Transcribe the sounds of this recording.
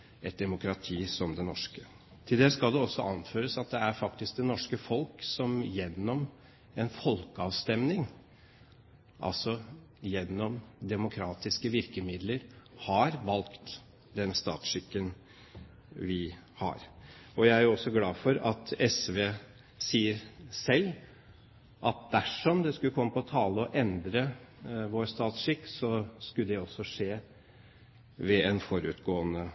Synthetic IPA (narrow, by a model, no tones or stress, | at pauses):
ɛt̪̚d̪ɛmʊkʰɾɑt̪ʰiːsɔmd̪ɛnɔʂkə | t̪ʰɪld̪eːskɑld̪ɛɔsːɔ̰ʔɑnføːɾəsɑt̪̚d̪ɛæɾfɑkt̪ɪsk̚d̪ɛnɔʂkəfɔlksɔmjɛnːɔm | ɛnfɔlkɑʋst̪ɛmnɪŋ | ʔɑ̰lsɔ | jɛnːɔmd̪ɛmʊkʰɾɑːt̪ɪskəʋɪɾkəmɪd̪ləɾhɑɾʋɑlkt̪ | d̪ɛnst̪ɑ̰ːt̪ʂɪkːən | ʋɪhɑ̰ɾɔjæɪæɾʊɔsːɔɡlɑːfɔɾɑt̪ʰɛsʋeː | siːəɾsɛlː | ʔɑt̪̚d̪æʂɔmd̪ɛskʉəkʰɔmːəpʰɔɔt̪ʰɑːləɔʔɛnd̪ɾəʋoːɾst̪ɑːt̪sʂɪkːsɔskʉld̪ɛɔsːɔʂeː | ʋɛɛnfɔɾʉ̰t̪ɡoːənə